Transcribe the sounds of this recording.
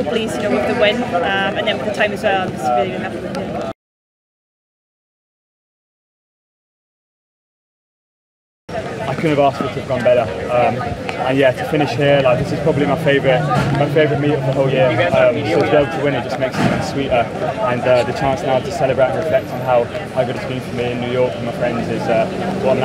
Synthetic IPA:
pʰlizjɨnoʊwəðəwɪ̃nʌ̃mə̃nðə̃nəðətʰãɪ̃məzwɛlˠãɪ̃d͡ʒʌsbhapɪɪ | aɪkʰʊdⁿñəvɑˑstwʌtəvɡɒ̃nbɛɾəʌ̃mʔə̃njætʰəfɪ̃ñɪʃhɪəlaɪk̚ðɪsɪz̥pʰɹ̥ɒbəblimaɪfeɪvəɹɪʔmaɪfeɪvəɹɪʔmiˑʔəvðəɦoʊlˠjɪəʌ̃msəʊtʰəbieɪbl̩ˠtʰəwɪ̃ñɪt̚dd͡ʒ̥ʌsmeɪksɪ̃wʌ̃nswiˑʔə | ə̃nʌðət͡ʃʰɑ̃ˑnsnaʊtʰəsɛləbɹeɪə̃nɹɪflɛk̚tə̃nɦaʊʔaʊɡʊɾəzbĩnfəmiɪ̃njʉːjɔˑkə̃maɪfɹɛ̃ndzɪzʌwɒn

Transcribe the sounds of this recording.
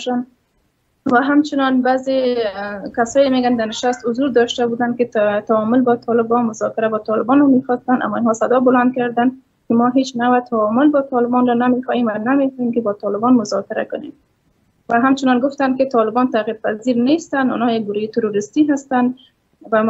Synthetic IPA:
ʃan | waɦamt͡ʃɪnɔnbaze | kasɔjɪmeɡand̪anɪʃast̪hʊzuɾd̪ɔʃt̪abud̪ankɪt̪aɔmʊlbɔt̪ʰɒlɪbɔnmʊzɔkɪɾabɔt̪ɔlɪbɔnɔmexɔst̪ana̰mːɔinɦɔsad̪ɔbʊland̪̚kaɾd̪an | kɪmɔɦet͡ʃnawat̪ʰawɔmʊlbɔt̪ʰɑlɪbɔnɾɔnamexɔhemwanamekemkɪbɔt̪ɑlɪbɔnmʊzɔkɪɾa̰kʊnḛm | waɦamt͡ʃɪnɔnɡʊft̪ankɪt̪ɒlɪbɔnt̪aɣiɾ̚paziɾnest̪anʊ̰nɔjak̚ɡʊɾojet̪ʊɾoɾɪst̪iɦast̪an | wa

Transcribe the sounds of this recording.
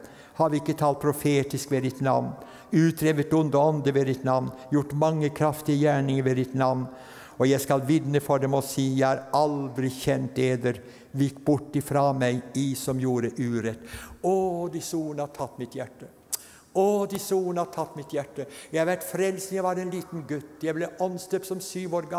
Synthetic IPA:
hɑd̪ɪkːət̪ʰɑːlt̪̚pʰɾʊfeːt̪ɪskʋɛd̪ɪt̪nɑ̰ʋn | ʉːt̪ɾeːʋət̪ʊnd̪əɔnd̪əʋɛd̪ɪt̪nɑʋnjʊʈːmɑŋːəkʰɾɑft̪ɪəjæːɳɪŋəɾʋɛd̪ɪt̪nɑʋn | ɔjæɪskɑlʋɪd̪nəfɔɖɛmɔsiːjæɪhæɾɑld̪ɾɪçɛnt̪eːd̪əɾ | ʋɪkːbʊʈːɪfɾɑmæɪisɔmjuːɾəʔʉːɾɛt̪ːɔd̪ɪsuːnɑt̪ʰɑt̪ːmɪt̪jæʈːə | ɔd̪ɪsuːnɑt̪ʰɑt̪ːmɪt̪jæʈːəjæɪhɑɾʋæʈfɾɛlsnjæɪʋɑɾɛnliːt̪nɡʉt̪ːjæɪblɛʔɔnsd̪øːpsɔmsyːʋoːɾɡɑ

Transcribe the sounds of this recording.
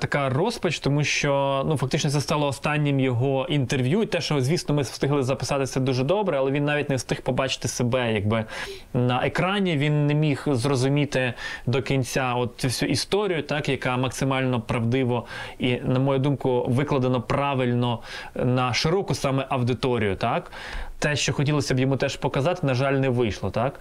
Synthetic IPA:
t̪ɐkɑrɔspɐt͡ʃt̪ɔmuʃt͡ʃɔnufɐkt̪ɪt͡ʃnɔt̪sɛst̪ɑlˠɔːst̪ɑnʲːɪmjɔɦɔʔint̪erʋʲjut̪ɛʃɔzʲʋʲisnɔmɪst̪ɪɦlˠɪzɐpɪ̥sɑt̪ɪsʲɐd̪uʒɛd̪ɔbɾɛɐlˠɛʋʲinːɑʋʲitʲnɛst̪ɪxpɔbɑt͡ʃɪ̥t̪ɪsebɛjɐɡ̚bɪ | nɐʔekɾɑnʲiʋʲinːemʲixzrɔzʊmʲit̪ɪd̪ɔkʲinʲt͡sʲaɔt̪̚t͡sʲufsʲuʔist̪ɔɾʲijʊt̪ɑkjɐkɑmɐksɪmɑlʲnɔpɾɐwd̪ɪʋɔinɐmɔjud̪umkʊʋɪklˠɐd̪ɐnɔpɾɑʋɪlʲnɔnɐʃɪɾɔkʊsɑmɛʔɐwd̪ɪt̪ɔɾʲijʊt̪ɑk | t̪ɛʃt͡ʃɔxɔtʲilˠɔsʲɐbjɔmut̪ɛʃpɔkɐzɑt̪ɪnɐʒɑlʲnɛʋɪjʃlˠɔt̪ɑk

